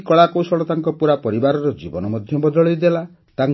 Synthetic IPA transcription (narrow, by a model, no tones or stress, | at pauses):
kɔɭakowsɔɭɔt̪aŋkɔpuɾapɔɾibaɾɔɾɔd͡ʒibɔnɔmɔd̪ʱjɔbɔd̪ɔɭɔjd̪ela | t̪aŋ